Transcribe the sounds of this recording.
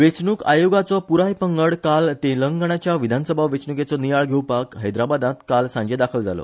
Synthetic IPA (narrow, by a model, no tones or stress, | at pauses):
ʋet͡sɳuka̰joɡat͡sɔpuɾajpəŋɡəɽkalt̪eləŋɡɳat͡ɕjaʋid̪ʱanəsəbʱaʋet͡sɳuket͡sɔnijaɭɡʱewpakɦəjd̪ɾabad̪ãt̪kalsãɲd͡ʑed̪akʰəld͡za̰lɔ̰